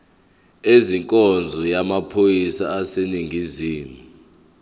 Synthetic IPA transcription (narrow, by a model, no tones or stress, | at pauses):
eziŋkʼɔnd͡zʱɔjamapʰojisa̰ːseniŋɡʱiziːmu